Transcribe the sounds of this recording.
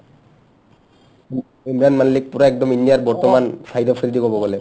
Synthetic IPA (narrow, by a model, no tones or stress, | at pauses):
imɹanmallik̚puɾaɛk̚d̪ɔmindiaɾbɔɹt̪ɔmansaid̪ʱɔfʰiɾid̪ikobɔɡole